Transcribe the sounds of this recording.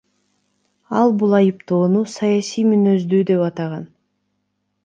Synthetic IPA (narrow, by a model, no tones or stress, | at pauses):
ɑlˠbulˠɑjɯpt̪o̞ːnusɑjɑsijmynø̞zd̪yːd̪e̞pɑt̪ɑʁɑn